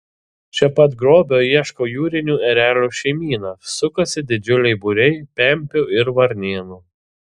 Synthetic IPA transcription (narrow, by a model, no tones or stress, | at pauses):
t͡ʃʲɛpɐt̪ɡɾoːbʲoːiɛʃkoːjuːɾʲɪnʲuːɛɾʲæːlʲuːʃʲɛɪmʲiːnɐsʊkosʲɪd̪ʲɪd͡ʒʲʊlʲɛɪbuɾʲɛɪpʲɛˑmʲpʲʊːɪɾʋɐɾʲnʲeːnuː